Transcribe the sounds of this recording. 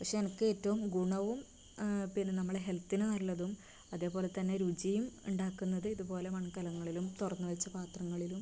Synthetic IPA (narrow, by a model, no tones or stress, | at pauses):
pɐkʂeɐnɐkːɨeːtːɐʋumɡuɳɐʋum | pinːenɐmːɐɭeɦe̞lt̪ːinɨnɐlːɐðum | ɐðe̞ːpo̞ːle̞t̪ɐnːe̞ɾud͡ʑijumuɳɖaːkːunːɐðɨiðupo̞ːle̞mɐɳkɐlɐŋːɐɭilumt̪urɐnːuʋɐt͡ɕːɐpaːt̪rɐŋːɐɭilum